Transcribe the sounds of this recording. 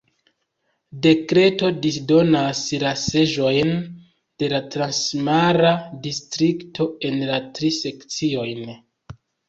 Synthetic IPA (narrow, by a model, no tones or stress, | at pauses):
de̞kɾe̞to̞dis̬do̞naslase̞ʒo̞jn | d̥e̞latɾansmaɾadistɾiktʰo̞e̞nlatɾise̞kt͡sio̞jn